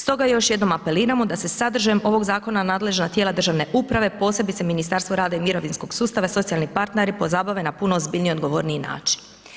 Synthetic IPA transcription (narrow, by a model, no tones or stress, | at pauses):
st̪o̞ɡajo̞ʃje̞d̪no̞mape̞liːɾamo̞d̪ase̞sad̪r̩ʒajemʔo̞ʋo̞ɡzaːkonanaːd̪le̞ʒnat̪jelad̪ɾr̩ʒaʋne̞ʔupɾaʋe̞po̞ːse̞bit̪seminist̪aɾst̪ʋoɾaːd̪aimiɾo̞ʋinsko̞ɡ̥suːst̪aʋaso̞t̪sialnipaɾt̪neɾipo̞zaːbaʋinapunoːzbiːʎnio̞d̪ɡo̞ʋo̞ɾniina̰ːt͡ʃi̥n